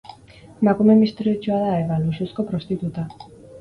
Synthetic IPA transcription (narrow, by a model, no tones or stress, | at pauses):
makume̞mist̪ɾiot͡ʃoaðaeβalususko̞pɾo̞st̪it̪ut̪a